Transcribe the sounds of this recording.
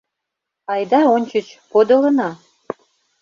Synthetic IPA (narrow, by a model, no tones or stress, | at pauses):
ɑjd̪ɑonʲt͡ɕət͡ɕpod̪ɤ̆lɤ̆nɑ